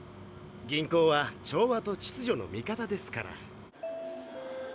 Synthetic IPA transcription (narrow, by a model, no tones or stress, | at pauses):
ɡʲĩŋko̞ːβat͡ɕo̞ːβat̪o̞t͡ɕi̥t͡sɨʑo̞no̞̰mʲikat̪ad̪e̞sɨ̥kaɾa̰